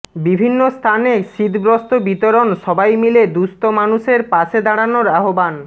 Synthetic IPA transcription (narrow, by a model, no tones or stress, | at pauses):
bibʱinːost̪ʰaneʃid̪ʱbɾost̪obit̪oɾonʃɔbajmiled̪ust̪omanuʃeɾpaʃʰed̪aɽanoɾaɦoban